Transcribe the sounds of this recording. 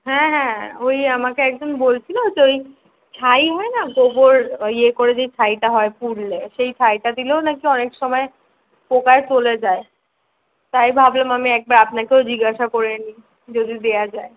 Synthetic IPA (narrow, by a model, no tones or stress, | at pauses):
ɦɛ̃ɦɛ̃ojamakeɛk̚d͡ʑonbolt͡ɕʰilood͡ʑʰeoj | t͡ɕʰajɦɔenaɡoboɾiekoɾed͡ʑet͡ɕʰajʈaɦɔepuɾleʃejt͡ɕʰajʈad̪ilonakiɔnekʃɔmɔe | pokaet͡ɕoled͡ʑae | t̪ajbʱablomamiɛk̚baɾapnakewd͡ʑiɡaʃakoɾeni | d͡ʑod̪ʱid̪ejad͡ʑae